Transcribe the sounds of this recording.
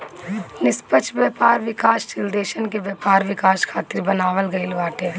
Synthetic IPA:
nɪspət͡ʃʰʋjɐːpaːɾʋɪkaːʃt͡ʃɪld̪eːʃənkeʋjɐpaːɾʋɪkaːʃkʰaːt̪ɪɾbɐnaːʋəlɡɐɪlʋaːʈe

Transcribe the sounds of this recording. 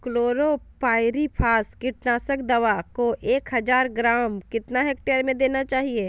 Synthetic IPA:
kloːɾopaːɪɾipʰaːskɪʈnaːsəkd̪ɐʋakoʔeːkɦɐzaːɾɡɾaːmkɪt̪naɦeːk̚ʈejəɾmẽd̪eːnat͡ʃaːɦieː

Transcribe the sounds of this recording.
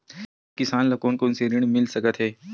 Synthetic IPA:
kɪsaːnlɐkoːnkonseɾɪɽ̃mɪlsɐkət̪ɦɛː

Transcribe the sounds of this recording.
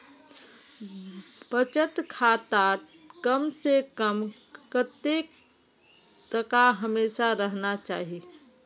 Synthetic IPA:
b̥ət͡ʃət̪kʰaːt̪a | kəmsekəm | kət̪ek | t̪əkaɦəmeːʃaɾəɦnat͡ʃaːɦi

